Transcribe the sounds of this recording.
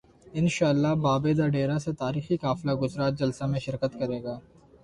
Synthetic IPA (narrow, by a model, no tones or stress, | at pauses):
ɪnʃaːlːaɦbaːbeːd̪aɖeːɾaset̪aːɾiːxikaːflaɡʊzɾaːt̪̚d͡ʒɐlsamẽʃɪɾkət̪kɐɾeːɡaː